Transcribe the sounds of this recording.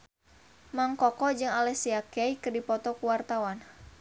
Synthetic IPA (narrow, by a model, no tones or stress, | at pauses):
maŋkɔkɔd͡ʒɨŋalɛsiakɛikɨrdipɔt̪ɔkuwart̪awan